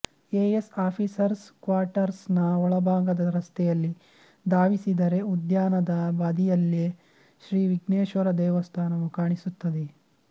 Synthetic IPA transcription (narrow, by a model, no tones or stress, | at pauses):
eːesaːpʰisɐɾskʋaːɾʈɐɾsnɐɔɭɐbʱaːɡɐd̪ɐɾɐst̪ʰɛjɐlːi | d̪aːʋisid̪ɐɾe̞ud̪jaːnɐd̪ɐbaːd̪ijɐlːe | ʃɾiːʋiɡneːʃʋɐɾɐd̪ɛːʋɐst̪ʰaːnɐʋukaːɳisut̪ːɐd̪e